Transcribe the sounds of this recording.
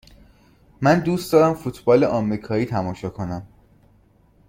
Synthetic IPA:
mænd̪uːst̪d̪ɒːɾæmfut̪ʰbɒːleʔɒːmɾiːkʰɒːiːt̪ʰæmɒːʃɒːkʰo̞næm

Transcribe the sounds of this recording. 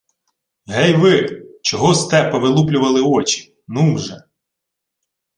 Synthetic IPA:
ɦɛjʋɪt͡ʃɔɦɔst̪ɛpɐʋɪlˠuplʲʊʋɐlˠɪɔt͡ʃi̥ | nuwʒɛ

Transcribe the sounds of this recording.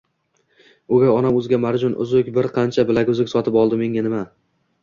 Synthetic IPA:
ʊɡʲaɒnamɵzɡʲamaɾd͡ʒɒnʔʊ̰zʊkʲbɪɾqʰɑnt͡ʃʰabɪlaɡʲʊzɪkʲsɒt̪ʰɪpɒlˠd̪ɪme̞ŋʲanɪma

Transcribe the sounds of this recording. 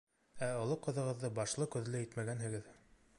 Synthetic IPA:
æŏlˠɤqɤ̆ðɤ̆ʁɤ̆ðːɤbɑʃlˠɤkɵ̆ðlɘit̪mæɡænɦɘ̆ɡɘð

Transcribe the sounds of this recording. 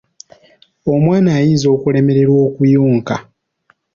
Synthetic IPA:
o̞mwaːnaːjiːnzo̞ːkule̞me̞ɾe̞ɾwo̞ːkujuːŋka

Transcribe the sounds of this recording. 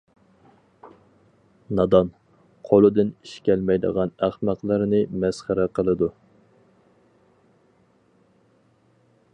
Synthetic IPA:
nɑd̪ɑn | qʰolˠɨd̪ɨniʃkʲɛlmɛjd̪ə̰ʁɑnæχmæqlˠəɾnɨmɛsχəɾɛqəlˠɨd̪u

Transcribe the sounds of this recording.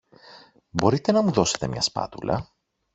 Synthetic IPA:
bo̞ɾit̪e̞nɐmuðo̞se̞̥t̪e̞mɲɐspɐ̰t̪ṵlɐ̰

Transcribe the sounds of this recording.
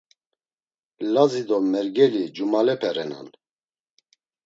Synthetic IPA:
lazid̪ɔmɛɾɡɛlid͡ʒumalɛpʰɛɾɛna̰n

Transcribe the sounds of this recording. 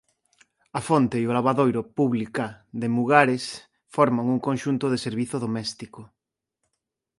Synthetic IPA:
afont̪eiolaβaðojɾʊpuβlikaðemuɣaɾes | fɔɾmaŋuŋkonʃunt̪ʊðeseɾβiθʊðomɛst̪iko

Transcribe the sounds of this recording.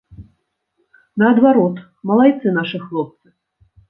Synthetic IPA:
nɐɐd̪vaɾɔt̪ | mɐlˠajt̪sɨnaʂɨxlˠɔp̚t̪sɨ

